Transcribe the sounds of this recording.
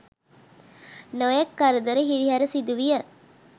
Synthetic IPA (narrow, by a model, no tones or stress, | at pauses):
nojɐkːɐɾəd̪əɾəɦiɾiɦæɾəsid̪uʋijɐ